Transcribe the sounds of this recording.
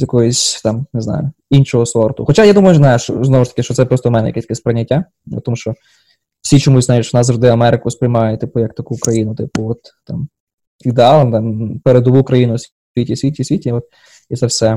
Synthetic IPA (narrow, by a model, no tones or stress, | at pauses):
jɐkɔɦɔsʲt̪ɑmneznɑ̰jʊinʲʃɔɦɔsɔrt̪ʊxɔt͡ʃajad̪umɐjʊznajʊʃt͡ʃɔ̰znɔʋʊʃt̪ɐ̥kɪʃt͡ʃɔt̪sɛpɾɔst̪ɔʋmɛnɛ̰jɐkɛsʲt̪ɐkɛspɾenʲːɐtʲːa | ɐ̰t̪ɔmuʃt͡ʃɔ | wsʲit͡ʃɔmusʲzajʲɪt͡ʃnɑzzɐʐʒd̪ɪɐmɛɾɪkʊspɾʲɪjmɑjʊt̪ɪpʊjɐkt̪ɐkukɾɐjinʊt̪ɪpʊɔt̪ːɑm | id̪eɑlˠɐnd̪ɐmpeɾed̪ɔʋukɾɐjinʊsʲ | itʲisʲʋʲitʲisʲʋʲitʲiɔt̪̚ | it̪sɛwsɛ